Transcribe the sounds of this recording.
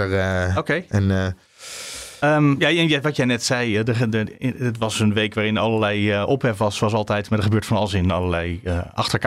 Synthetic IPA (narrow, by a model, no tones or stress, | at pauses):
əokejɛn | əmjaɛnjɛʋɔtjɛjnɛtsɛjdə | ɪtʋɔsənʋejkʋaːrɪnɔlˠəɹlɛjəʔophɛfʋɔsʋɔs̬ɑlˠtɛjtmadəχəbøətfɔnɑlˠəsɪnnɑ̰lˠəlɛjəɑxtəɹk